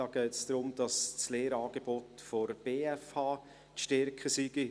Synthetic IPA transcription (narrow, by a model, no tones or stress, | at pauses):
ɑːɡ̥ɛɪt͡sd̥ɾʊmd̥ɑst͡sleːɾɑːɡ̥eb̥otfɔɾb̥eːɛfhɑː | tʃtɛɾkχəsiɡi